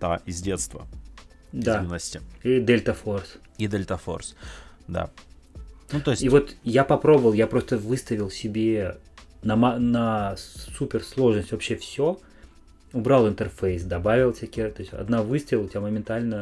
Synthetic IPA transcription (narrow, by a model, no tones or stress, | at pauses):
t̪a̰ɪzʲdʲet̪st̪və̰ | dzainːəsʲtʲɪiɪd̪elʲt̪əfo̞rs | id̪elʲt̪əfo̰rs | d̪a̰ | nuoɪsʲivo̞t̪japɐpɾo̞bəvəlˠjapɾo̞st̪əvɨst̪əvʲɪlˠsʲɪbʲe | nɐmanəsupʲɪrslˠo̞ʐnəsʲtʲvɐpɕːefsʲo | ʊbɾalˠɨnt̪ərfejsd̪ɐbavʲɪlˠsʲekʲet̪osʲt̪ʲɐ̰d̪navɨst̪əvʲɪlˠtʲɪbʲaməmʲɪnt̪alʲnə